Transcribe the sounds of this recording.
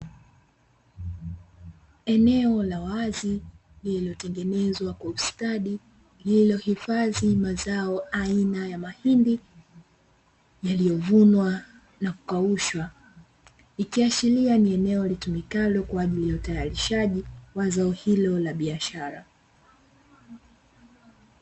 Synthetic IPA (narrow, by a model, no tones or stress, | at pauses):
ɛnɛɔlawazi | lililɔtɛŋɡɛnɛzwakwaustaɗi | lililɔhifaðimazaɔainajamahindi | jalijɔvunwa | naku̥kauʃwa | ikiaʃilianiɛnɛɔlitumikalɔkwaːʄilijautajaɾiʃaʄiwazaɔhilɔlaɓiaʃaɾa